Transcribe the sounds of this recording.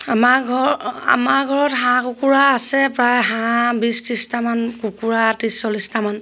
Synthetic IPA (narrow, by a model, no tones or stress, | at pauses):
amaɡʱɔa̰maɹɡʱɔɹɔtɦãkukuɹaːsɛpɹajɦãbististamankukuɹatisːɔlistaman